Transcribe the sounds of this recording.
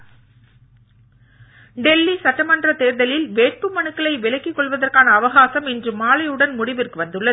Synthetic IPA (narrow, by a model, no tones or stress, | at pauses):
ɖɛlːisɐʈːɐmɐndrɐt̪eːɾðɐlɪlʋeːʈ̚pɯmɐnɯkːɐɭɐɪʋɪlɐkːikːɔɭʋɐðɐrkaːnɐːʋɐɣaːsɐmɛndrɯmːaːlɐɪɯɽɐnmʊɽɪʋɪrkɯʋɐnd̪ɯɭːɐðɯ